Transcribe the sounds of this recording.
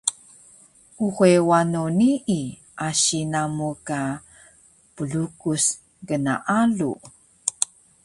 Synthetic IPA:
ʔuxewanoniʔi | ʔaɕinamuka | pəɮukus | ɡəna̰ʔaɮṵ

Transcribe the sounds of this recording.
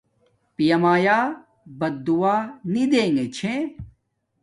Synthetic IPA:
pijɐmaːjaː | bɐd̪uwaːnid̪eːŋɡet͡ɕʰẽ

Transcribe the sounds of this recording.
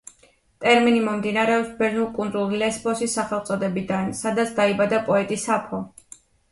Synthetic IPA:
t̪ʼɛɾminimɔmd̪inaɾɛɔpsbɛnulˠkʼund̪ɾulˠilɛsbɔsisːaχɛlˠt̪sʼɔd̪ɛbid̪ansad̪at̪sʰd̪aibad̪apʼɔɛt̪ʼisapʰɔ

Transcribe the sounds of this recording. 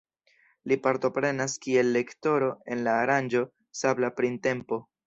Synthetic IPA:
lipaɾto̞pɾe̞naskie̞lːe̞kto̞ɾo̞e̞nlaːɾand͡ʒo̞ | sablapɾinte̞mpo̞

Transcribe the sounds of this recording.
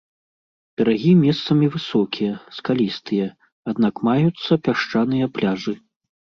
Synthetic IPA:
bʲɛɾaɣʲimʲɛst̪sɐmʲivɨsɔkʲʰijɐskalʲist̪ɨjɐ | ad̪nakmajut̪sːɐpʲaʂt͡ʂanɨjɐplʲaʐɨ

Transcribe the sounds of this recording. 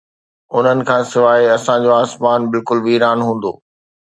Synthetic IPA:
ʊn̤ənɪ̆kʰãːsɪʋaːɦeɐsãd͡ʑoaːsmaːnbɪlkʊlʋiːɾaːnɦũːn̆d̪o̰ː

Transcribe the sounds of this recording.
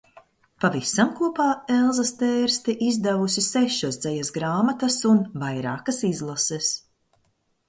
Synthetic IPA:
pavisamkuɔpaːɛlˠzɐst̪ɛːɾst̪ɛʔizd̪ɛvusisɛʃosd̪zɛjasɡɾaːmat̪ɐsunvajɾaːkɐsizlˠasɛs

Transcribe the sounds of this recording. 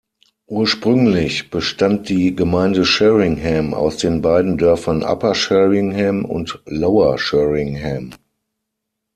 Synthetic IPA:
ʔuːɐʃpʁ̥ʏŋlɪçb̥əʃtant̚d̥iːɡəmaɪndəʃɛʁɪŋɦɛma̰ʊsd̥eːnbaɪdn̩dœɐfɐnʔa̰pɐʃɛʁɪŋhɛmʊ̰ntloʊɐʃɛʁɪŋhɛm

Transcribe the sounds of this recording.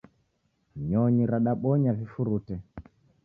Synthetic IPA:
ɲɔɲiɾaɗaɓɔɲavifuɾutɛ

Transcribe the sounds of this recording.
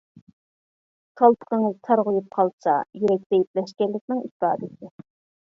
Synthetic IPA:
k̪ʰɑlˠpʰə̥qəŋɨzt̪ʰɑɾʁʊjup̚qʰɑlˠsɑ̰jeɾɛk̚ʲd̪ɛjip̚lɛʃkʲɛlːɪkʲnɪŋispɑːd̪ɨsɪ

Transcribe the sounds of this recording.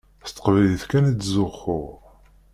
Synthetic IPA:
st̪ːə̥qvæliθkænæd̪zʊχʊʁ

